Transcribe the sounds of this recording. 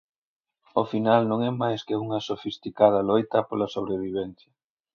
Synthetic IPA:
ofinalnõŋɛmajskeuŋɐsofist̪ikað̞ɐlojt̪ɐpolasoβ̞ɾeβiβɛnθjɐ

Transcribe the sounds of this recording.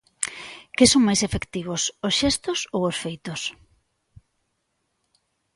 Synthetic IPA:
kɪsoŋmajsefekt̪iβ̞ososʃɛst̪osowosfejt̪os

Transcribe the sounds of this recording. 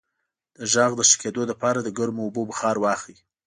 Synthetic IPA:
d̪̥əʒɑɣd̪əʃə̥ked̪olapɑɾad̪əɡaɾmoːbobəxɑɾwɑxi

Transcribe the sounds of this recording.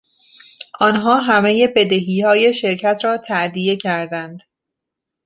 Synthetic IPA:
ʔɒnɦɒːɦæme̞je̞be̞d̪eɦiːhɒːje̞ʃe̞ɾcʰæt̪ʰɾɒːt̪ʰæʔd̪ije̞cʰæɾd̪ænd̪̥

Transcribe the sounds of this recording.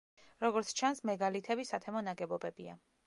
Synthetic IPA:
ɾɔɡɔɾt̪sʰt͡ʃʰansmɛɡalit̪ʰɛbisat̪ʰɛmɔnaɡɛbɔbɛbia̰

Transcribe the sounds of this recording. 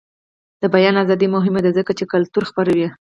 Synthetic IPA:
d̪̥əbajɑnazɑd̪imʊɦɪmad̪azəkat͡ʃekalt̪uɾxpaɾawi

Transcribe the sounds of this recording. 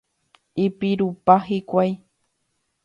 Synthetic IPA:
ipiɾupaɦikʷaj

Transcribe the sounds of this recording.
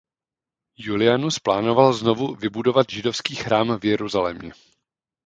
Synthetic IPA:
julɪanusplaːno̞valzno̞vuvɪbudo̞vat̪ʒɪdo̞fskiːxɾaːmvjɛɾuzalɛ̰mɲɛ

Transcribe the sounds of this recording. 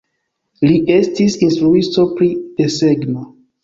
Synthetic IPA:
liʔe̞stisinstɾuisto̞pɾid̥e̞seɡno

